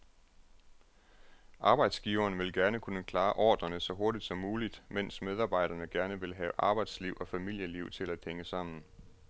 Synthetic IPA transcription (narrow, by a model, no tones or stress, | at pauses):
ʔɑ̈ːb̥ɑ̈ɪ̰d̥sɡ̥iːʊɐːnʋe̝lɡ̥æɐnəkʰunəkʰlɑ̈ːʔɒ̰ːd̥ɐnəsɒ̽ɦo̝ɐɾ̥id̥sɒ̽mːuːlid̥men̰smeð̞ˠɑ̈ːb̥ɑ̈ɪ̰ɾ̥ɐnəɡ̥æɐnəʋe̝lɦɛːʊʔɑ̈ːb̥ɑ̈ɪd̥sliʊ̰ʔɒ̽fæmil̰jəliʊt͡sʰe̝læd̥heŋəsɑ̈m̰n̩